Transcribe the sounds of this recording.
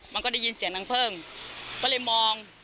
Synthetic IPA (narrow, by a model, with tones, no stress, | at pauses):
ma˧nkɔː˥˩da˥˩jiː˧nsi˩˦əŋna˧ŋpʰɤː˥˩ŋkɔː˥˩lɤː˧˥˩jmɔː˧ŋ